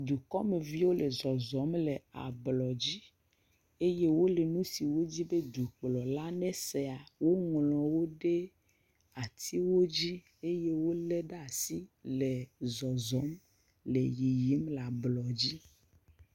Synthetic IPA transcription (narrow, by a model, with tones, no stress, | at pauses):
d̪u˨kɔ˦me˨vi˦wo˦le˨zɔ˨zɔ˨˦mle˨a̰˨blɔ˨d͡ʑi˦ | e˦je˦wo˦le˨nũ˦si˨wo˦d͡ʑi˦be˦d̪u˨k͡plɔ˨la˦nɛ̃˦se˨a˨wo˦ŋlɔ̃˨wo˦ɖe˦ | a˨t̪ʰi˦wo˦d͡ʑi˦ | e˦je˦wo˦lɛ˦ɖa˨si˦le˨zɔ˨zɔ˨˦m | lḛ˨ji˨ji˦mla˨blɔ˨d͡ʑi˦